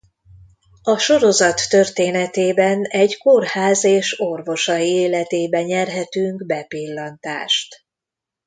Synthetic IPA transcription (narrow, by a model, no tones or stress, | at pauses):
ɒʃo̞ɾo̞zɒt̪ːø̞rt̪eːnɛt̪eːbɛnɛɟkorhaːzeːʃo̞rvo̞ʃɒjieːlɛt̪eːbɛɲɛrɦɛt̪yŋkbɛpilːɒnt̪a̰ːʃt̪